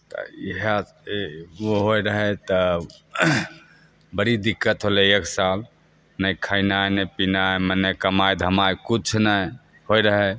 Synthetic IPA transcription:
t̪ə̰iɦə | oɦojɾəɦɛt̪ə | bəɽid̪ikːət̪ɦolɛeksal | nəjkʰainanəjpinajmənːekəmajd̪ʱəmajkut͡ʃʰnəj | hojɾəɦɛ

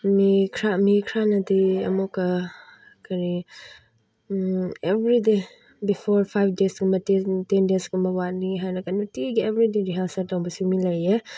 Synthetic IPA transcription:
mikʰɾamikʰɾanɐdiɐmɔkɐ | kʰaɾi | ebɾide | bipʰɔɾpʰajbdesɡumɐtetendesɡumɐwat̚niɦajnɐkanutiɡiebɾideɾiɦalsaɾtawbɐsumilɐje

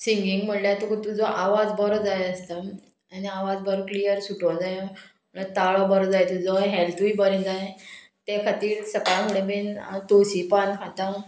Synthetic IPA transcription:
siŋɡiŋɡm̤əɳljat̪ukt̪ud͡zɔʔaʋad͡zbəɾɔd͡zajəst̪ə | aniaʋad͡zbəɾklijəɾsuʈʰɔd͡zaj | m̤əɳat̪aɭɔbəɾɔd͡zajet̪ud͡zɔɦɛlt̪uibəɾẽd͡zaje | t̪ekʰat̪iːɾsəkajamuɭebent̪osipankʰat̪a

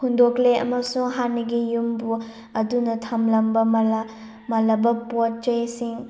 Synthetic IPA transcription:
hundokleɐ̰mɐsuŋɦaniɡijumbu | ɐdunɐtʰɐmlɐmbɐmɐlɐ | mɐlɐbɐpot̚t͡ʃɐjsiŋ

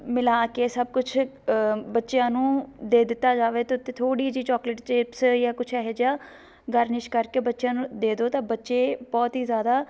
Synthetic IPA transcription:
mɪlaːkeːsəb̚kʊt͡ʃʰ | bətːʃejãːnũːd̪eːd̪ɪt̪ːaːd͡ʒaːʋeːt̪eːʊt̪ːẽːt̪ʰoːɽiːd͡ʒiːt͡ʃɔːkləʈt͡ʃeːpsjaːkʊt͡ʃʰɛːɦed͡ʒaː | ɡəɾnɪʃkəɾkeːbətːʃjãːnũːd̪eːd̪oːt̪ãːbətːʃeːbɔːt̪ɦiːzjaːd̪aː

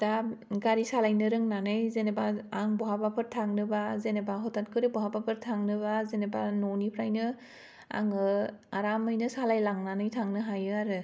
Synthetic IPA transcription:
d̥aɡaɾisalajnɯɾɯŋnanɯjzenebaaŋbɔɦabapʰɯɾtʰaŋnɯbazenebaɦɔtʰankʰɯɾɯbɔɦabapʰɯɾtʰaŋnɯβazenebanɔnipʰɾajnɯ | a̰ŋɯaɾamɯjnɯsalajlaŋnanɯjtʰaŋnɯɦajɯaɾɯ

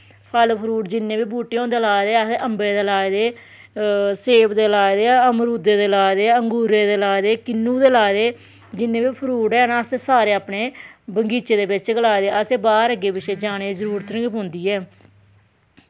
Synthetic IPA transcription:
pʰəlpʰəɾuːʈd͡ʒɪnːeːbiːbuːʈːeːõːnd̪eːlaːd̪eːəsʔəmbeːd̪eːlaːed̪eː | seːpd̪eːlaːd̪eːəmɾuːd̪eːd̪eːlaːd̪eːəŋɡuːɾeːd̪eːlaːd̪eːkɪnːũːd̪eːlaːd̪eː | d͡ʒɪnːeːbiːpʰəɾuːʈɛːnasesaːɾeːaːpneːbəŋɡiːt͡ʃeːd̪eːbɪt͡ʃɡəlaːed̪eːəseːbaːɾəɡeːbɪʃeːd͡ʒaːñeːzəɾuːɾt̪əɾə̃ŋɡpɦʊ̃ːnd̪iːɛː

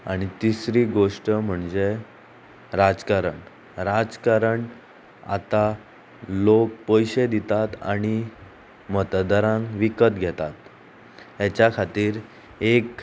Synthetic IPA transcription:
aɽ̃it̪isɾiːɡoʂʈəm̤əɳd͡ze | ɾad͡zkaɾəɳ | ɾad͡zkaɾəɳ | a̰t̪a | lok̚pəjɕed̪it̪at̪a̰ɽ̃i | mət̪d̪əɾãŋkʋikət̪ɡʱɛt̪at̪ | jɛt͡ɕjakʰat̪iːɾ | ek

